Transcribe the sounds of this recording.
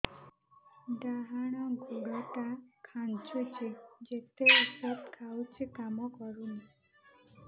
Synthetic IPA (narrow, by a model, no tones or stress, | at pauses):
ɖaɦaɽ̃aɡʱoɡaʈakʰant͡ʃut͡ʃʰed͡ʒet̪eɔsɔt̪kʰawt͡ʃʰikamɔkɔɾuni